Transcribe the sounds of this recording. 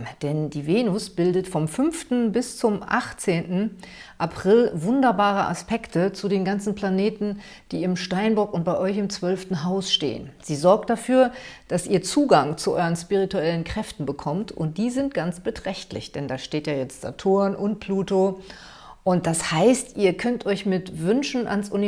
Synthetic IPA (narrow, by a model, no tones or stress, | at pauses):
d̥ɛndiːveːnʊsb̥ɪldətfɔmfʏnftn̩bɪst͡sʊmʔa̰χt͡seːntn̩ʔapʁ̥ɪlvʊndɐbaːʁ̞əʔa̰spɛktʰət͡sudeːnɡant͡sn̩pʰl̥aneːtn̩ | d̥iːɪmʃtaɪnbɔɐkʊnt̚b̥aɪʔɔʏçɪmt͡sv̥œlftn̩ɦaʊsʃtḛːə̰nz̥iːzɔɐk̚t̚d̥afyːɐd̥asʔiːɐt͡suːɡaŋt͡suʔɔ̰ʏʁənspiʁituɛlənkʁ̥ɛftn̩bəkʰɔmtʰʔʊ̰nt̚d̥iːzɪntɡ̥ant͡sb̥ətʁ̥ɛçtlɪ̰çd̥ɛndaːʃteːtjaːjɛt͡stz̥a̰tʰoːɐnʔʊnt̚b̥luːto | ʔʊnt̚d̥ashaɪstʔiːɐkʰœntʰʔɔʏçmɪtvʏnʃn̩ʔa̰nsʔṵni